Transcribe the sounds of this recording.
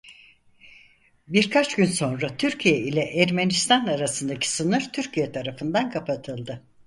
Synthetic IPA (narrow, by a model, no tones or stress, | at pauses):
biɾkʰat͡ʃɟynso̞nɾat̪ʰyɾcʰijɛilʲɛʔæɾmenist̪ʰanaɾasɯnd̪acʰi̥sɯnɯɾt̪ʰyɾcʰijɛt̪ʰaɾafɯnd̪ankʰapʰat̪ʰɯlˠd̪ɯ